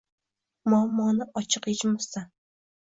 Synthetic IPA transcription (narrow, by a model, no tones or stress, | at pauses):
mɒmːɒnɪɒt͡ʃʰɨqet͡ʃmʊst̪a